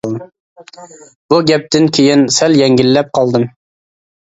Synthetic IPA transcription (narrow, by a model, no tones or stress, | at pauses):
buɡʲɛp̚t̪ɪnkʲʰejɪnsɛljɛŋɡʲilːɛp̚qʰɑlˠd̪ɨm